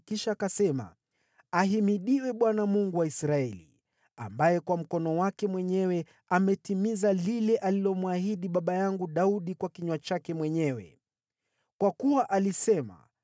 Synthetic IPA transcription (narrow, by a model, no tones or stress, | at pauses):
kiʃaːkasɛma̰ | aɦimiɗiwɛɓwanamuŋɡuwaisɾaɛlḭ | a̰mbajɛkwam̩kɔnɔwakɛmwɛɲɛwɛ | amɛtimizalilɛʔalilɔmwahiɗiɓaɓajaŋɡuɗauɗikwakiɲwat͡ʃakɛmwɛɲɛwɛ̰ | kwakuwaʔalisɛma̰